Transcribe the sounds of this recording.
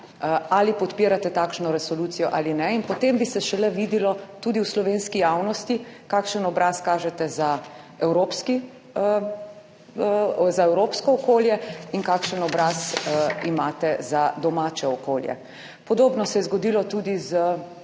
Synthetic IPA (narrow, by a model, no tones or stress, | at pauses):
alipɔt̪piːɾat̪ɛt̪aːkʃnɔɾɛsɔluːt̪sijɔʔaːlinɛinpɔt̪embisɛʃɛlɛʋiːd̪ilɔt̪ud̪iwslɔʋenskijaːwnɔst̪ikaːkʃənɔbɾaːskaːʒɛt̪ɛza | ɛwɾoːpski | zaɛwɾoːpskɔːkoːljɛinkaːkʃənɔbɾasimaːt̪ɛzad̪ɔmaːt͡ʃɛɔkoːljɛ̰ | pɔd̪oːbnɔsɛjɛzɡɔd̪iːlɔt̪uːd̪izə